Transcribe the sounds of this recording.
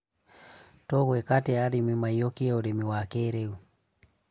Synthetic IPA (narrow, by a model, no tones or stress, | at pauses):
tɔɣwɛkatɛaɾimimajɔkiɔɾɛmiwakɛɾeu